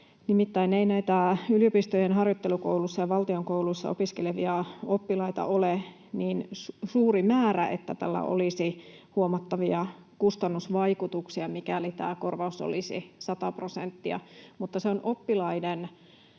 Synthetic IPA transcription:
nimit̪ːæineinæit̪æyliopist̪ojenɦɑrjot̪ːelukoulusːɑjɑʋɑlt̪ioŋkouluisːɑ̰opiskeleʋiɑopːilɑit̪ɑ̰ʔole | niːnsuːrimæːræʔḛt̪ːæt̪æ̰lːæ̰o̰lisi | huomɑt̪ːɑʋiɑkust̪ɑnːusʋɑikut̪uksiɑmikælit̪æ̰ːkorʋɑuso̰lisḭsɑt̪ɑprosent̪ːiɑ̰mut̪ːɑseonʔopːilɑiden

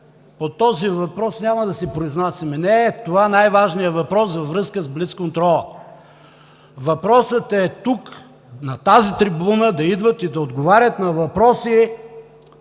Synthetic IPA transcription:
pot̪ɔzivɐpɾɔsnʲamɐd̪ɐsɛpɾoiznasɐmɛnɛt̪ovanajvaʒnijəvɐpɾɔsvɐvɾɤskəzblit̪skont̪ɾɔlˠə | vɐpɾɔsət̪ɛt̪uk | nɐt̪azit̪ɾibunəd̪ɐid̪vət̪id̪ɐod̪ɡovaɾʲət̪nɐvɐpɾɔsi

